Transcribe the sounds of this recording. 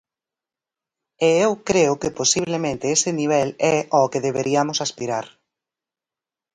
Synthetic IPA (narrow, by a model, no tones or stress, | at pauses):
eewkɾeʊkeposiβ̞lemẽnt̪ɪesɪniβ̞ɛlɛʔɔkeðeβeɾiamʊsaspiɾaɾ